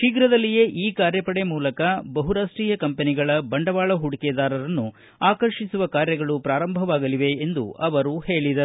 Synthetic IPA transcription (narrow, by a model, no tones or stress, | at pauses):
ʃiɡɾɐd̪ɐlːije̞ːʔiːkaːɾjɐpɐɽemuːlɐkɐbɐɦuɾaːʂʈɾiːjɐkɐmpeniɡɐɭɐbɐɳɖɐʋaːɭɐɦuɽikeːd̪aːɾɐɾɐnːu | aːkɐɾʃisuʋɐkaːɾjɐɡɐɭupɾaːɾɐmbʱɐʋaːɡɐliʋe̞end̪ṵʔɐʋɐɾuhe̞ːɭid̪ɐ